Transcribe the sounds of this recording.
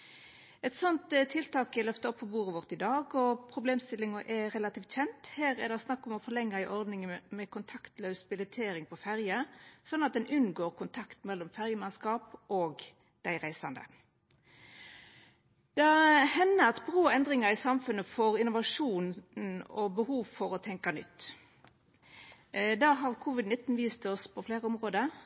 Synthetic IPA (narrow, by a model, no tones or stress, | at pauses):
ɛt̪sɔnt̪t̪ʰːɪlt̪ɑːkɪlœft̪əɔpʰːɔbuːʁəʋɔʁt̪ɪd̪ɑːɡɔpʰɾʊbleːmst̪ɪlːɪŋəʔɛʁɛlɑt̪iːft̪çɛnt̪heːʁɛd̪æɪsnɑkːɔmɔfɔʁlɛŋːəɪʔɔʁd̪nɪŋəmɛkʰʊnt̪ʰɑkt̪lœʉsbɪlɪt̪ʰeːɾɪŋpʰɔfæʁjəsɔnːɑt̪̚d̪ɛnʉnɡoːʁkʊnt̪ʰɑkt̪mɛlːɔmfæʁjəmɑnskɑːpʔoːɡ | d̪̥æɪʁæɪsɑnd̪ə̰ | d̪̥ɑhɛnːəɾɑt̪bʁoːɛnd̪ʁɪŋɑɾɪsɑmfʉnəfɔɾɪnʊʋɑʂuːnn̩ɔbəhuːʋfɔɾɔt̪ʰɛŋkɑnʏ̰t̪ː | d̪ɑːɦɑʁkʰuʋɪd̪nɪt̪ːn̩ʋiːst̪ʰɔspʰɔfleːɾəʊmʁoːd̪ə